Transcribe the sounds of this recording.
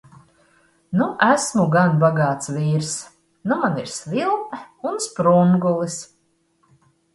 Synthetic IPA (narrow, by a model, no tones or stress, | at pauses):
nuʔæsmuɡanbaɡaːt̪sviːɾs | numaniɾsvilˠt̪ɛunspɾuŋɡulˠis